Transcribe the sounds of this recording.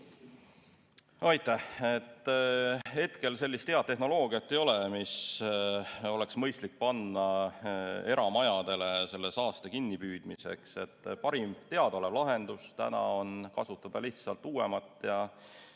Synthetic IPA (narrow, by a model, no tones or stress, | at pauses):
ɑjt̪ːˑæhet̪ˑː | e̞t̪ke̞lse̞lʲːist̪ːe̞ɑd̪̚t̪ːe̞ɦno̞lo̞ːɡ̥iɑt̪ˑːe̞jo̞lemis | o̞le̞ksmɤjst̪lik̚pɑnːɑ | e̞ɾɑmɑjɑd̪̥e̞le̞se̞lːe̞sɑːst̪ekinːipyːd̪̥mise̞̰kse̞t̪ːpɑɾimt̪e̞ɑd̪̥o̞levlɑɦe̞nd̪̥ust̪æ̰nɑ̰o̞nkɑsut̪ːˑɑd̪̥ɑliht̪sɑlt̪ːˑuːwḛmɑt̪ːˑjɑ